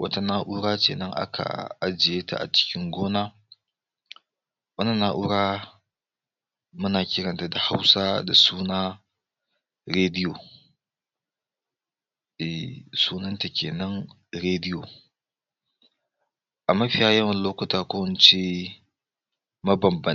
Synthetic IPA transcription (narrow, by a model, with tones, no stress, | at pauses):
wʔɐ̰˦ta˦naː˦ʔuː˦ɽaː˦t͡ʃḛː˨nɐ˦ŋʔa̰˦kʰa̰˨ʔa˦d͡ʒɪ˨jeː˦tʰa̰˨ʔa̰˨t͡ʃɪ̥˦kʲɪ˦ŋɡʷoː˦naː˦ | wɐ˦na˨naː˦ʔu˦ɽaː˦ | mʊ˦naː˨kʲɪ˦ɽɐ˨nta˦da˨ha˦wsaː˦da˨suː˦naː˦ | ɾeː˦dɪ˦joː˨ | ʔɛ˨suː˦nɐ˦nta˨kʲḛː˨nɐ˦ŋ | ɾeː˦dɪ˦jo̰ː˨ | ʔa˨mɐ˦ɸɪ˦jaː˨jɐ˦wɐ˨nloː˦kɐ˨taː˨kʷo˦wɐ˨nt͡ʃeː˦ | mɐ˦bɐ˨mbɐ˦